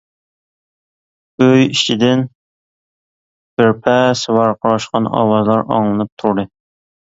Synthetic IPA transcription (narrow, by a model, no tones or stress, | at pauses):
øjit͡ʃʰid̪ɪn | b̥ɪɾpʰɛsɨwɑɾqʰɑɾɑʃqɑnɑ̰wɑzlˠɑɾɑ̰ŋlˠɨnɨp̚t̪ʰuɾɾɨ